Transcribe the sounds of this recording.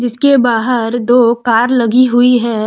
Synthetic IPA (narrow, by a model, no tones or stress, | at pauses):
d͡ʒɪskebaːɦəɾd̪oːkaːɾlɐɡiɦʊiɦɛ̃ː